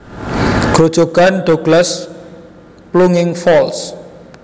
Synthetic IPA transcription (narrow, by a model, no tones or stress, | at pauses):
ɡ̥od̥ʒ̥o̤ɡ̥anɖ̥oɡ̥las | pluŋɪŋfɔls